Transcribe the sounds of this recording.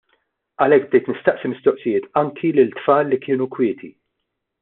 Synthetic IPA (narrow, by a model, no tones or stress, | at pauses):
ɐlɛk̚ːb̚d̪ɛjt̪nɪst̪ɐʔsimɪst̪ɔʔsɪjɪːt̪ɐŋkʰilɪlt̪fɐːlːikɪːnukwɪːt̪ʰi